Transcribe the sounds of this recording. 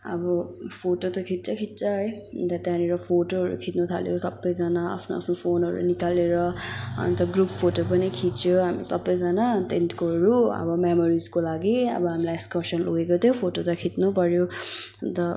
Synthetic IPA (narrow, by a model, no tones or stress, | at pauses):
ʌ̰bʌpʰoʈot̪ʌkʰit̪̚t͡sʰʌkʰit̪̚t͡sʌɦʌjd̪at̪aneɾʌpʰoʈoɦʌɾṵkʰit̪nut̪ʰa̰ljosʌbːʌjd͡zanaa̰pʰnoa̰pʰnopʰonɦʌɾṵnikaleɾʌ̰nt̪ʌɡruppʰoʈopʌnikʰit͡sjoɦamisʌbːʌjd͡zanat̪enʈkoɦʌɾuʌ̰bʌmemoɾid͡zkolaɡiʌ̰bʌɦamilajeskʌsʌnloɡekot̪ʰjopʰoʈot̪ʌkʰit̪nupʌɾjo | t̪ʌ